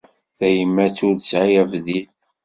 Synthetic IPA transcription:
θæjəmːæt͡sʊɾd̪sʕajævðil

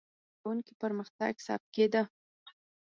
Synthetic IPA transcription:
wuŋkipəɾməxt̪a̰ɡsɑ̰p̪̚ked̪ə

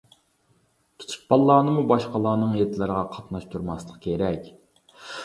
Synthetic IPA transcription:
t̪ʰu̥t̪ʰu̥p̚bɑlˠːɑːnɨmubɑʃqɑlˠɑːnɨŋjet̪ʰɪlɪɾʁɑqʰɑt̪nɑʃt̪ʰuɾmɑslˠəqkʲʰeɾɛkʲ

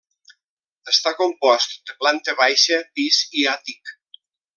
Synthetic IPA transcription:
əst̪akompɔst̪d̪əplant̪əβajʃəpiziat̪ik

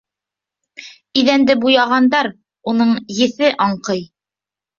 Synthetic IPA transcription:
iðænd̪ɘbujɑʁɑnd̪ɑɾ | unɤɴjɘ̆θɘʔɑɴqɤj

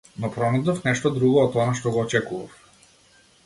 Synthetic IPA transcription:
nɔpɾɔnɛd̪ɔfnɛʃt̪ɔd̪ɾuɡɔːt̪ɔnaʃt̪ɔɡɔːt͡ʃɛkuvaf

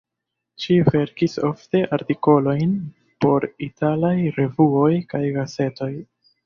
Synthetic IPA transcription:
t͡ʃive̞ɾkiso̞fte̞ʔaɾtiko̞lo̞jn | po̞ɾitalajɾe̞vuo̞jkajɡase̞to̞j

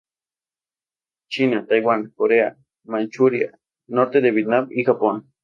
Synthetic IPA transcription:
t͡ʃinat̪ajwankoɾea | mant͡ʃuɾia̰ | noɾt̪ed̪eβit̪nabixapon

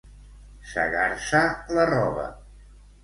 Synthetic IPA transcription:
sə̰ɣaɾsalərɔβə̰

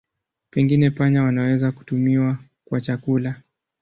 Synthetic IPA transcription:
pɛŋɡinɛpaɲawanawɛzaku̥tumiwa | kwat͡ʃakula

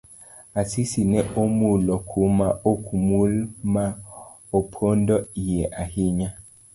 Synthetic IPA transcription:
asisinɛʔomulɔkʰumaokʰumulma | opʰondɔijɛʔahiɲa

